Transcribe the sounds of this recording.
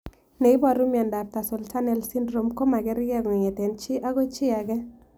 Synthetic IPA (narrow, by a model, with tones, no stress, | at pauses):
ne˨i˦bɔ˨ɾu˦m˨ɛ˨nda˨p̚ta˨sɔ˨lta˦nɛ˦lsi˦ndɾo˨mko˦ma˨ɡɛ˦ɾɪ˦ɡɛ˦ɡɔ˨ŋ˨ŋe˨tɛ˨nt͡ʃɪ˦ʔa˦ɡo˦t͡ʃɪ˦a˨ɡɛ˦